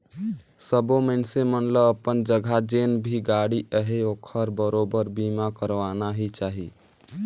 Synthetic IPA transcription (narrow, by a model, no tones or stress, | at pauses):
səbomənsemənləbəpənd͡ʒəɡʱad͡ʒenbʱiɡaɽiəɦeokʰəɾbəɾobəɾbimakəɾʋanaɦit͡ʃaɦḭ